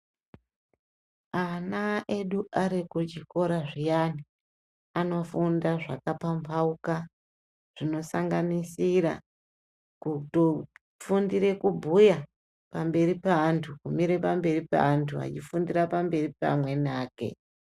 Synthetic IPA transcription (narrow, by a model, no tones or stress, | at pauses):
anaʔe̞ɗuʔaɾikut͡ʃiko̞ɾaʐijani | ano̞fundaʐakapampʰauka | ʐ̥ino̞saŋɡanisiɾa̰ | kuto | fundiɾe̞kubʱuja | pambe̞ripaːntʰukumiɾe̞pambe̞ripa̰antʰua̰t͡ʃifundiɾapambe̞ripa̰mwe̞naːke̞̰